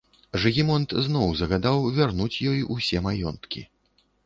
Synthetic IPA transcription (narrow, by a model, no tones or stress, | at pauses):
ʐɨɣʲimɔnt̪znɔwzɐɣad̪awvʲarnut͡sʲjɔjusʲɛmajɔ̰nt̪kʲḭ